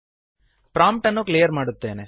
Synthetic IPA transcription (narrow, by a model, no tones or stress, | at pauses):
pɾaːmp̚ʈɐnːuklijɐɾmaːɽut̪ːeːne